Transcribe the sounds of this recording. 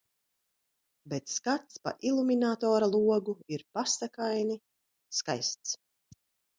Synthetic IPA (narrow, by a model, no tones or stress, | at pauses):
bet̪skat̪spa̰ʔilˠuminat̪ɔːɾalˠuɔɡuiɾpasakajni | ska̰jst̪s